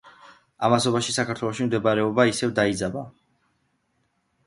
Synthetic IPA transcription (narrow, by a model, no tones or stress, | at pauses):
amasɔbaʃisakʰaɾt̪ʰwɛlɔʃimd̪ɛbaɾɛɔbaisɛvd̪aid̪zaba